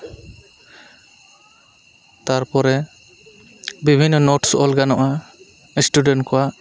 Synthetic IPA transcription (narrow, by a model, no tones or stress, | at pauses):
t̪aɾpɔɾɛ | bibʱinːɔnɔʈsɔlɡanɔʔa | sʈuɖenkɔwa